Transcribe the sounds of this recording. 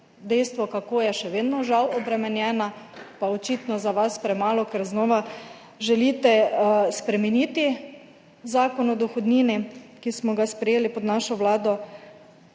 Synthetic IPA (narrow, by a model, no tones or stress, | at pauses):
d̪ɛjst̪ʋɔkakojɛʃɛʋeːd̪nɔʒawɔbɾɛmɛnjɛːnapaɔt͡ʃiːt̪nɔzaʋaspɾɛmaːlɔkɛɾznɔːʋa | ʒɛliːt̪ɛspɾɛmɛniːt̪i | zaːkɔnɔd̪ɔxɔd̪niːnikismɔɡaspɾɛjeːlipɔd̪naːʃɔʋlaːd̪ɔ